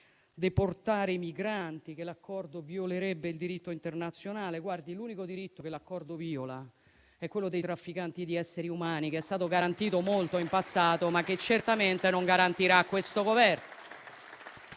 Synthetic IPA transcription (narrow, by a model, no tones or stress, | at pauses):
d̪eport̪aːɾeimiɡɾant̪ik̟elakːɔrd̪ovioleɾɛbːeild̪iɾit̪ːoint̪ernat̪sːjonaːleɡward̪iluːnikod̪iɾit̪ːokelakːɔrd̪oviːola | ɛkːwelːod̪ejt̪ɾafːikant̪id̪iɛsːeɾiumaːnikeɛst̪aːt̪oɡaɾant̪iːt̪omolt̪oimpasːaːt̪omak̟ːet͡ʃːert̪ament̪enoŋɡaɾant̪iɾakːwest̪oɡovɛrno